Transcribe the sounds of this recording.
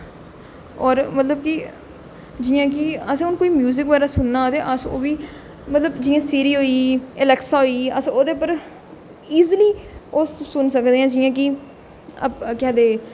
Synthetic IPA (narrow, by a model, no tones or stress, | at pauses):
ɔːɾmət̪ləbkɪ | d͡ʒɪjãːkɪəsẽːʊnkoːiːmjuːzɪkʋaːɾaːsʊnːaːt̪eːʔəso̰ːʋiː | mət̪ləbd͡ʒɪjãːsiːɾiːɦoːiːɪlɛːksaːɦoːiːəsoːd̪eːpəɾ | iːzliːoːsʊnsəkd̪eːãːd͡ʒɪːãːk̬ɪ | ə̰pkɛːd̪eː